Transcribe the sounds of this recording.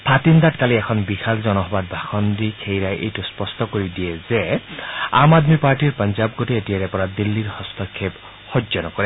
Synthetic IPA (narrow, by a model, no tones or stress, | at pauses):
pʰat̪ind̪atkaliɛkʰɔnbixʰalzɔnɔɦɔbat̚bʱaxɔndikʰejɹajʔejtʊspɔstɔkoɹidijɛzɛ | a̰madmipaɹʈiɹpɔnzab̚ɡoteetijaɹɛpɔɹad̪ilːiɹhɔst̪ɔkʰːep | hɔzɔnɔkɔɹɛ